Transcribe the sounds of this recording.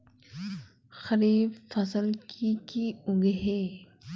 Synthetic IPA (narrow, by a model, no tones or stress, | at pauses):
xɐɾiːbfɐsəlkʰikiʊɡɦeː